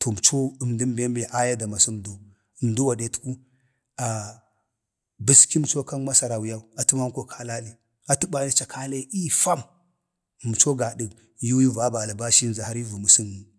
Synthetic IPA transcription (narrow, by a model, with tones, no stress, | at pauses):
tʰo˨m˨t͡ʃo˦ə˨mdi˦mbe˦mbe˨ʔa˦ja˦da˨ma˨su˦mdu˨ | mdu˦wa˨de˨tu̥˦ku˦ | a˨ | bi˦ski˦mt͡ʃo˦ka˦nma˦sa˨ɾa˨wu˨ja˦u˨a˨tu˦ma˦m˦ko˦kʰa˦la˦li˦ | a˨tu˦ba˨ni˦t͡ʃa˨kʰa˦le˦i˦fa˦m˨ | m˨t͡ʃo˦ɡa˨ɗi˨ | ju˦wi˦va˨˦ba˨la˨ba˦ʃi˦n˨za˨ha˦ɾi˦vu˨mu˨si˦n˨